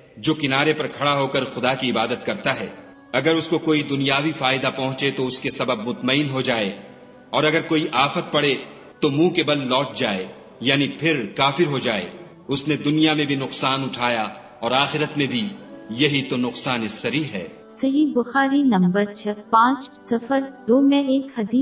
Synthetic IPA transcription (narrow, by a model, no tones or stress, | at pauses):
d͡ʒoːkɪnaːɾepɐɾkʰɐɽaɦoːkɐɾxʊd̪akiɪbaːd̪ət̪̚kɐɾt̪aɦɛː | ɐɡəɾʊskokoːid̪ʊnijaːʋifaːɪd̪apɐ̃ɦʊ̃t͡ʃet̪oʊskesɐbəb̚mʊt̪məɪnɦod͡ʒaːe | ɔːɾɐɡəɾkoːiʔaːfət̪̚pɐɽe | t̪omũːkebɐllɔːʈ̚d͡ʒaːe | jaːnipʰɪɾkaːfɪɾɦod͡ʒaːḛ | ʊsned̪ʊnijamẽbʱinʊqsaːnʊʈʰaːja | ɔːɾaːxɪɾət̪mẽbʱijɐɦit̪onʊqsaːnɪsɐɾiɦɛ̰ː | sɐɦibʊxaːɾinɐ̃mbəɾt͡ʃʰɛpãːt͡ʃsɐfəɾd̪̥oːmɛ̃eːkhɐd̪iː